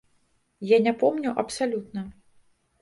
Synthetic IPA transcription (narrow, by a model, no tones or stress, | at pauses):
janʲapɔmnʲuʔɐpsalʲut̪̚nɐ